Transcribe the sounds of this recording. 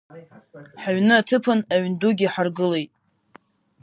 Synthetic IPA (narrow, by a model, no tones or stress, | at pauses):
ħaɥnɨatʰɨpʰɨnaɥnduɡʲiħarɡɨle̞jtʼ